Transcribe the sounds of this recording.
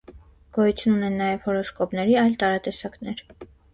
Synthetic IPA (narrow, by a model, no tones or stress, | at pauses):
ɡ̥ɔjut͡sʰjununɛnːɑjɛv̥hɔɾɔskɔpnɛɾiɑjlt̪ɑɾɑt̪ɛsɑknɛɾ